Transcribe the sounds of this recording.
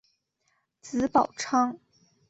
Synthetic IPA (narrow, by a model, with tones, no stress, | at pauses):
t͡sɹ̩˧˥pɑ˨˩ʊʈ͡ʂʰɑ˥ŋ